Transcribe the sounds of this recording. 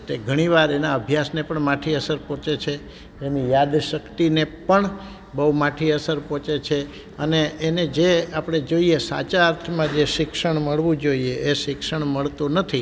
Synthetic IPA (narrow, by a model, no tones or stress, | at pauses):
t̪eɡʱəɽ̃iʋaɾenaəbʱjasnepəɳmaʈʰiəsəɾpɔ̃t͡ʃet͡ʃʰeː | nijad̪ʃəkt̪inepəɳ | bəumaʈʰiəsəɾpɔ̃t͡ʃet͡ʃʰe | əneʔːned͡ʒeapɽ̃ed͡ʒoiesa̰t͡ʃaːɾt̪ʰmãd͡ʒeʃɪkʃəɳməɭʋũd͡ʒoieʔːʃɪkʃəɳməɭt̪onət̪ʰi